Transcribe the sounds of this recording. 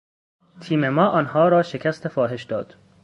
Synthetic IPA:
t̪ʰiːmemɒːʔɒːnhɒːɾɒːʃecʰæst̪ʰefɒːɦe̞ʃd̪ɒːd̪̥

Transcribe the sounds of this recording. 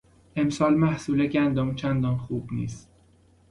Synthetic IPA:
ʔe̞msɒːlmæhsuːleɟænd̪ɒmt͡ʃʰænd̪ɒnxuːbnḭːst̪

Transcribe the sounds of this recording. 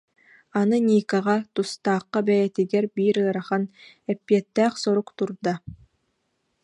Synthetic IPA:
anɯnʲiːkaʁat̪ust̪aːqːabɛjɛt̪iɡɛɾbiːɾɯɐɾaχan | ɛpːiɛt̪ːæːχsɔɾukt̪uɾd̪a

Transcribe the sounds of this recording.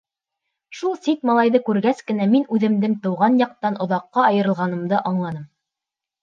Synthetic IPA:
ʃulˠsit̪mɑlˠɑjðɤkʉɾɡæskɘ̆næminʉðɘ̆md̪ɘmt̪ɤ̆wʁɑnjɑq̚t̪ɑnʔŏðɑqːɑɑjɤ̆ɾɤ̆lˠʁɑnɤ̆md̪ɤʔɑɴlˠɑnɤm

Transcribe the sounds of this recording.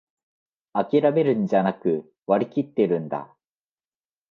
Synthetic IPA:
akʲiɾame̞ɾɯ̟̃ɲd͡ʑanakɯ̟ | βaɾʲikʲit̪ːe̞ɾɯ̟̃nd̪a̰

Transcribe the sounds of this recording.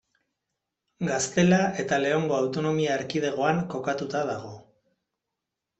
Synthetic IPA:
ɡast̪e̞lae̞t̪ale̞oŋɡo̞awt̪o̞no̞miaeɾkið̞e̞ɣ̞o̞aŋko̞kat̪ut̪aðaɣ̞o̞

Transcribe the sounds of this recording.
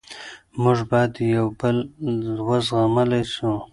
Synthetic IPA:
mʊʐbɑjd̪jawbəllwazɣamalajʃu

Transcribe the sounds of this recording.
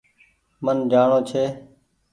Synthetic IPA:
mənd͡ʒaːɳoːt͡ʃʰeː

